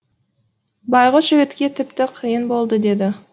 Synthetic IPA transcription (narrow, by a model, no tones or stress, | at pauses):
bɑjʁəʒɪɾet̪kʲe̞t̪ʰɪpt̪ɪqʰijənbo̞lˠd̪əd̪e̞d̪ɪ